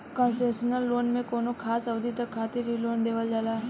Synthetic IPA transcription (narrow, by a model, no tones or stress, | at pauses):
kənseːsənəlːoːnmẽkoːnokʰaːsəʋd̪ʱit̪əkʰːaːt̪iɾiloːnd̪eːʋəld͡ʒalaː